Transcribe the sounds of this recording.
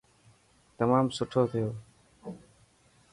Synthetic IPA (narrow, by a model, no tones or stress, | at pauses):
t̪əmaːmsʊʈʰoːt̪ʰɪjoː